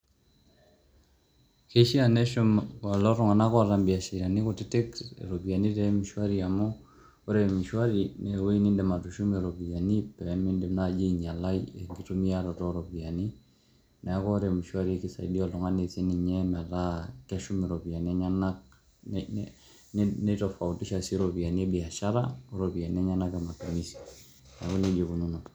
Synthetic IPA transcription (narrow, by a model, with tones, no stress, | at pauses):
ke˦ʃi˦anɛ˦ʃʊ˦mklɔ˦ɾɔ˨ŋa˨na˦kɔ˦a˨ɾambi˨a˨ʃiɾa˨ni˦kɔtɪ˦tɪ˦kḛɾobi˨a˨ni˦tɛmiʃwa˦ɾiamɔ | o˦ɾemi˨ʃwa˦ɾinɛ˨we˦ni˦ndɛ˨ma˨tu˨ʃu˦meɾo˨bi˨a˨ni˦pɛmɪ˦ndɛ˨nad͡ʒe˦ɲa˨la˦jḛ˨ŋɡi˨tu˦miaɾɔtɔɾobi˨a˨ni˦ | na˨a˦kɔ˦ɾe˨mi˨ʃwa˦ɾiki˦sa̰˨i˨di˦ɔ˨lɔ˨ŋa˦ne˨se˦ni˨ɲɛmɛ˨lakɛ˦ʃu˦me˨ɾo˨bi˨a˨ni˦ɛ˦ɲa˦na˦k | nne˦to˨fa˨u˨ti˦ʃa˨si˦ɾopi˨a˨ni˦e˦bi˨a˨ʃa˦ɾa˦o˦ɾo˨bi˨a˨ni˦ɛ˦ɲa˦na˦ka˨ma˨tu˨mi˦si̥ | na˨˦ko˦ne˦d͡ʒe˨bu˨ɲu˦na˨